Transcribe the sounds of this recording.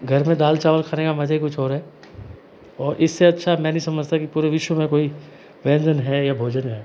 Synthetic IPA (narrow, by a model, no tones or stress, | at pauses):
ɡʱɐɾmẽd̪aːlt͡ʃaːʋəlkʰaːnekamɐd͡ʒʱɦikʊt͡ʃʰɦoːɾɦɛː | ɔːɾʔɪsːeɐtːʃʰamɛ̃ːnɐɦĩsɐməd͡ʒʱt̪akipuːɾeʋɪʃwəmẽkoːi | ʋɛ̃ːnd͡ʒənɦɛjabʱoːd͡ʒənɦɛː